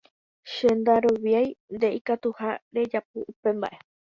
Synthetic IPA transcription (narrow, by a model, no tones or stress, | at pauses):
ʃe̞nd̪aɾoʋjajnd̪e̞ikat̪uhaɾe̞d͡ʒap̚ɨ̰upe̞mba̰ʔe̞